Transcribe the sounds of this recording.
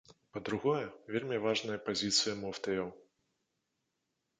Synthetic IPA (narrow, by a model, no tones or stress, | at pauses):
pɐd̪ɾuɣɔjɐvʲelʲmʲivaʐnɐjɐpazʲit̪sɨjɐmɔft̪ɨjɐw